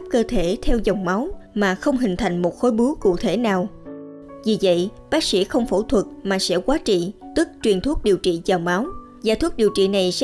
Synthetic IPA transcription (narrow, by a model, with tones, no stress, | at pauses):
p̚kəː˧t̪ʰe˧˩t̪ʰɛ˧wza˨˩wŋ͡mma˨˦wmaː˨˩xə˧wŋ͡mɦï˨˩ŋ̟t̪ʰa˨˩jŋ̟mo˨˩t̚xo˨˦jɓu˨˦əkṵ˧˨t̪ʰe˧˩naː˨˩w | vi˨˩və̰˧˨jɓaː˦˥k̚sḭ˧˥xə˧wŋ͡mfo˧˩t̪ʰwə˨˩t̚maː˨˩sɛ̰˧˥kwaː˨˦t͡ɕḭ˧˨t̪ɨ˦˥k̚t͡ɕwi˨˩ənt̪ʰu˦˥ət̚ɗi˨˩əwt͡ɕḭ˧˨zaː˨˩wŋ͡mma˨˦w | za̰ː˧˦t̪wu˦˥ət̚ɗi˨˩əwt͡ɕḭ˧˨na˨˩js